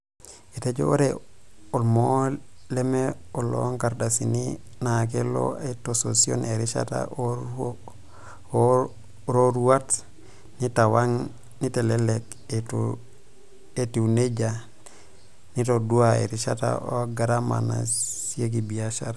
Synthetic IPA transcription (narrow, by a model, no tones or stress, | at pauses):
itaɟo̰oɾeolmolemeolːo̰ŋkaɾdasininak̬elo̰etososio̰neɾiʃa̰ta̰o | ɾoɾuwat | nitawaŋ | nitelelek | et | etiuneɟa | nitoduaḛɾiʃata̰o̰ɡaɾama̰na̰siek̬ibiaʃaɾ